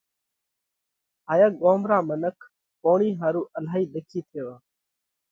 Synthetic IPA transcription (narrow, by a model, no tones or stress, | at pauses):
ɦaːjaɠoːmɾaːmənəkʰ | poːɳiːɦaːɾuːʔəlaːɦiːɗ̪ekʰiːt̪ʰeːʋaː